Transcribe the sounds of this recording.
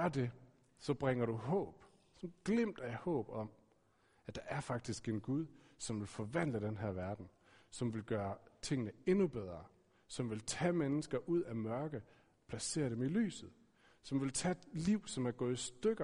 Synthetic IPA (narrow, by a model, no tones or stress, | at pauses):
ɐd̥e̝ | sɒ̽b̥ʁeŋɐɾuɦɔ̰̽ːb̥ | sɒnɡ̥lem̰d̥æhɔ̰̽ːb̥ɒ̽m | æd̥ɑ̈ʔæɐfɑ̈ɡ̥̚d̥isɡ̥e̝nɡ̥uð̞ˠ | sɒ̽mʋe̝lfɒ̽ʋæn̰ləd̥enɦæɐʋæɐd̥n̩ | sɒ̽mʋe̝lɡ̥ɶːɐt͡sʰe̝ŋ̰nəe̝nub̥eð̞ˠʁɐ | sɒ̽mʋe̝lt͡sʰɛmenəsɡ̥ɐʔuð̞̰ˠæmɶɐɡ̥ə | pʰlæse̝̰ːɐɾ̥emily̰ːsð̞̩ˠ | sɒ̽mʋe̝lt͡sʰɛliʊ̰sɒ̽mæɐɡ̥ɔ̽ːð̩ˠisd̥øɡ̥ɐ